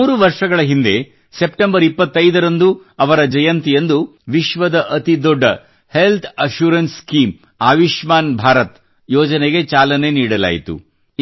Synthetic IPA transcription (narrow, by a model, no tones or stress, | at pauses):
uːɾuʋɐɾʂɐɡɐɭɐɦind̪e̞ | se̞pʈembɐɾipːɐt̪ːɐjd̪ɐɾɐnd̪uɐʋɐɾɐd͡ʒɐjɐnt̪ijend̪uʋiʃʋɐd̪ɐʔɐt̪id̪ɔɖːɐ | he̞lt̪ʰɐʃuːɾɐnskiːm | aːʋiʃmaːnbʱaːɾɐt̪ | jɔːd͡ʒɐneɡe̞t͡ʃaːlɐne̞niːɽɐla̰ːjit̪ṵ